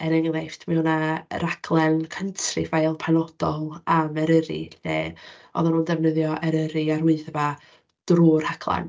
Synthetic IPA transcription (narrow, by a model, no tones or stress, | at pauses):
ɛnɛŋlajftʰmɛwnaɾakʰlˠɛnkʰəntʰrɨ̰fajlˠpʰanɔd̥ɔlˠamɛɾəɾḭnɛɔ̰ðanundɛvnəðjɔʔɛɾəɾiaruɨθəva | d̥ruːrhakʰlˠa̰n